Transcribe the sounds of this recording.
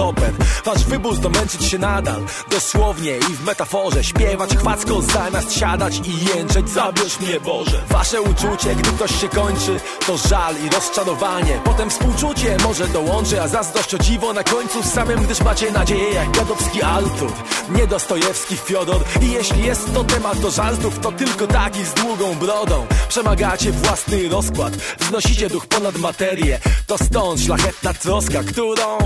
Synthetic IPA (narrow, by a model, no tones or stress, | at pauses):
ɔpɛɾvaʐvɘbuɾd̪ɔmɛnt͡ʂɘt͡ɕɕɛnad̪a̰l | d̪ɔswɔvɲɛivmɛt̪afɔʐɛɕpʲjɛvat͡ɕxfat̪skɔ̃w̃zamʲjast̪ɕad̪at͡ɕijɛnt͡ʂɛd͡ʑzabʲɛʂɛbɔɛva̰ʂɛut͡ʂut͡ɕɛɡd̪ɘk̚t̪ɔɕɕɛkɔɲt͡ʂɘ | t̪ɔʐaliɾɔst͡ʂaɾɔvaɲɛpɔt̪ɛmfspuwt͡ʂut͡ɕɛmɔʐɛd̪ɔwɔnt͡ʂɨazazd̪ɔʂt͡ɕɔd͡ʑivɔnakɔɲt̪susamɘmɡd̪ɘʂmat͡ɕɛnad͡ʑejɛjaɡ̚ɡjad̪ɔfskʲiʔaɾt̪ṵɾɲɛd̪ɔst̪ɔjɛfskʲifʲjɔd̪uɾijɛɕlʲijɛst̪ːɔt̪ɛmad̪d̪ɔʐaɾd̪uft̪ɔt̪ɘlkɔt̪akʲizd̪wuɡɔ̃w̃bɾɔd̪ɔ̃w̃pʂɛmaɡat͡ɕɛvwasnɘɾɔskwat̪vznɔɕit͡ɕɛd̪uxpɔnad̪mat̪ɛɾjɛt̪ɔst̪ɔ̃nt̪ʂlaxɛt̪̚nat̪ɾɔskakt̪uɾɔ̃w̃